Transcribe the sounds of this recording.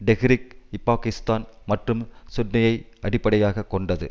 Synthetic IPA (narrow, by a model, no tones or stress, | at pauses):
ɖɛɣɪɾɪk̚ɪpːaːkɪst̪aːnmɐʈrɯmsʊʈnɐjɐɪ | ɐɽɪpːɐɽɐjaːɣɐkːɔɳɖɐðɯ̰